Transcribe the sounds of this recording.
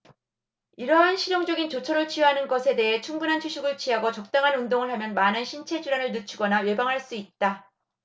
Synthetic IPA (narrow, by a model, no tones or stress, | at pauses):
iɾʌɦanɕʰiɾjoŋd͡ʑʌɡint͡ɕot͡ɕʰʌɾɯɭt͡ɕʰiɦanɯnɡʌsʰe̞de̞ɦe̞t͡ɕʰuŋbunɦant͡ɕʰuɕʰiɡɯɭt͡ɕʰiɦaɡʌt͡ɕʌk̚t͈aŋɦanundoŋɯɭɦamjʌnmanɯnɕʰint͡ɕʰe̞d͡ʑuɾanɯɭnɯt͡ɕʰuɡʌnaɥe̞baŋɦaɭs͈uit̚t͈a